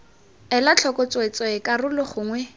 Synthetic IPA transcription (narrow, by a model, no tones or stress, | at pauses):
ɛlat͡ɬʰɔkʼɔt͡swet͡sʼɔɪkʼarʊlʊχʊːŋwɛ